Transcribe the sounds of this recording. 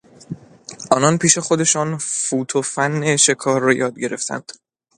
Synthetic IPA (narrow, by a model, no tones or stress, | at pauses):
ʔɒːnɒnpʰiːʃe̞xo̞d̪e̞ʃɒːnfuːt̪ʰofænːeʃe̞kʰɒːɾːɒːjɒːd̪̚ɟe̞ɾe̞ft̪ʰæ̰nd̪̥